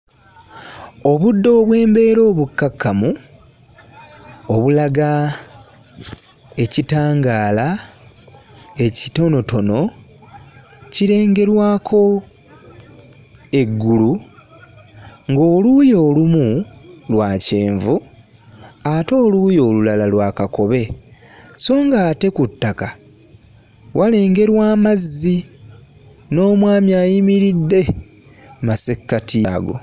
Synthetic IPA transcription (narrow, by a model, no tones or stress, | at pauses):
o̞βudːo̞ːβwe̞ːmbe̞ːɾo̞ːβukːakːamu | o̞βulaɡa | e̞citaːŋɡaːla | e̞cito̞no̞to̞no̞ | ciɾe̞ːŋɡe̞ɾwaːkʰo̞ | e̞ɡːulu | ŋɡo̞ːlujo̞ːlumu | lwaːce̞ːɱvu | ato̞ːlujo̞ːlulalalwaːkako̞βe̞ | so̞ːŋɡaːte̞kutːaka | wʔale̞ːŋɡe̞ɾwaːmaz | i | no̞ːmwaːmjaːjimiɾidːe̞ | mase̞kːatʰiɡo̞̰